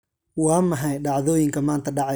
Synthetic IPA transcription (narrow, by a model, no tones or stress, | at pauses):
wɑːmɐɦɐjɖɑʕðɔːjɪŋkʰɐmaːnt̪ʰɐɖɑʕ